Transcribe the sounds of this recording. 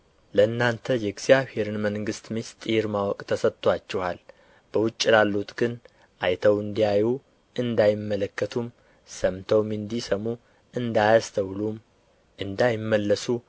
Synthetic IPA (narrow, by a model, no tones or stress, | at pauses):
ləɨnːant̪ʰəjɛɡz̥jaβhe̞ɾɨnməŋɡɨst̪mist̪ʼɨjɾmawɔkʼt̪ʰəsət̪ʰʼːwat͡ʃːɛhal | b̥əwʊt͡ʃʼːlalːut̪ɡɨn | ʔajt̪ʰəwɨnd̪ijaju | ʔɨnd̪ajɪmːələkːət̪ʰum | səmt̪ʰəwmɨnd̪isəmu | ɨnd̪ajast̪ʰəwlum | ʔɨnd̪ajɪmːəlːəsu